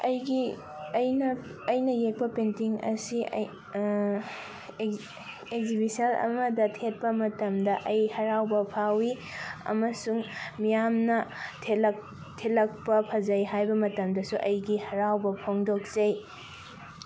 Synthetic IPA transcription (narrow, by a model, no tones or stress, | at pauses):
ɐjɡi | ɐjnɐ | ɐjnɐjek̚pɐpentiŋɐ̰sḭ | ekzibisɐlɐ̰mɐdɐtʰet̚pɐmɐtɐmdɐʔɐjhɐɾawbɐpʰawi | ɐ̰mɐsuŋmijamnɐtʰelɐk̚ | tʰelɐk̚pɐpʰɐd͡ʒɐjɦajbɐmɐtɐmdɐsuʔɐjɡihɐɾawbɐpʰoŋdok̚zɐj